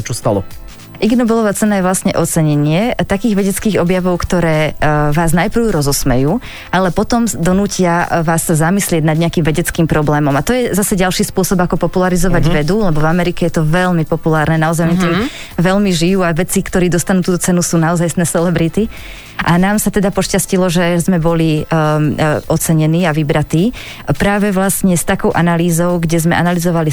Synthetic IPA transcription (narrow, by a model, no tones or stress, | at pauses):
t͡ʃɔst̪a̰lɔ | ʔiɡnɔbɛlˠɔʋaːt͡sɛnajɛʋlasɲɛʔɔt͡sɛɲɛɲɪɛt̪akiːɣʋɛɟɛt͡skiːɣɔbjaʋɔʊkt̪ɔɾɛːʋaːznajpɾ̩ʊɾɔzɔsmɛ̰juː | ʔalɛpɔt̪ɔmd̪ɔnuːcɪaʋaːsːazamislɪɛɟnad̪ɲɛakimʋɛɟɛt͡skiːmpɾɔblɛːmɔmat̪ɔjɛzasɛɟalʃiːspʊɔsɔbakɔpɔpulaɾizɔʋaɟʋɛd̪ulɛbɔvamɛɾikɛjɛt̪ɔʋɛʎmipɔpulaːɾnɛnaɔzajɔnit̪ɔ | ʋɛʎmiʒijuːaʋɛt͡sikt̪ɔɾiːd̪ɔst̪anuːt̪uːt̪ɔt͡sɛnusuːnaɔzajsnɛsɛlɛbɾit̪i | ʔanaːmsat̪ɛd̪apɔʃcascilɔʒɛzmɛbɔli | ʔɔt͡sɛɲɛniːaʋibɾat̪iː | pɾaːʋɛʋlasɲɛst̪akɔʊʔanaliːzɔʊɡɟɛzmɛʔanalizɔʋali